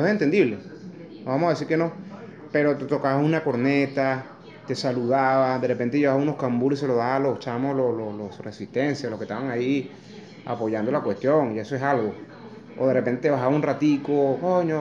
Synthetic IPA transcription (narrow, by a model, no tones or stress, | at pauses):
esoeent̪e̞nd̪iβle̞noβamohaðesiɾkeno̞ | pe̞ɾo̞t̪t̪o̞kaβaunako̞ɾne̞t̪a | t̪e̞saluðaβad̪erepe̞nt̪eʝe̞βaβaunohkambulis̬e̞loðaβaloht͡ʃamosloslolosresist̪e̞nsjalo̞hket̪aβaŋai | a̰po̞ʝand̪o̞lakwe̞st̪jo̞ŋie̞soe̞salɣo̞ | oðe̞repe̞nt̪eeβaxaβaunrat̪ikokoɲo